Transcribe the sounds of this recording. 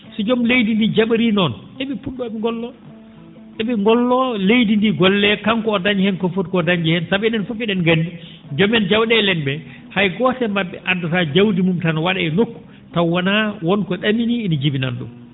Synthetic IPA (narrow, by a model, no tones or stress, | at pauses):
sɛd͡ʒɔmlejdindid͡ʒaɓaɾinɔnʔɛɓɛpunːɔɓɛŋɡɔlːɔ | ɗɛɓɛŋɡɔlːɔlejdindiɡɔlːɛkaŋkɔːdaɲd͡ʒihɛnkɔfotkɔdaɲd͡ʒihɛnsabɛnɛnfufiɗɛnɡandi | d͡ʒɔmɛnd͡ʒawɗɛlɛnbɛ | hajɡɔtɛmabːɛʔadatad͡ʒawdimumtanwaɗaɛnokːu̥ | tawanawɔnkɔɗaminiːnid͡ʒibina̰nɗṵm